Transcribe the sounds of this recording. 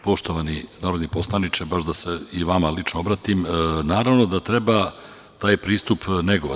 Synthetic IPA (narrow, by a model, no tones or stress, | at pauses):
po̞ʃt̪oʋaninaːɾod̪nipo̞slˠanit͡ʃebaʃd̪aseiʋamalit͡ʃnoobɾaːt̪imnaːɾaʋno̞d̪at̪ɾe̞ba | t̪aːjpɾiːst̪upneɡoʋ